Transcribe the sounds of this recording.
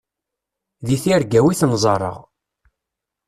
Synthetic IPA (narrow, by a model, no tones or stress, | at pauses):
ðiθiɾɡæwiθnzˤɑɾˤːə̰ʁ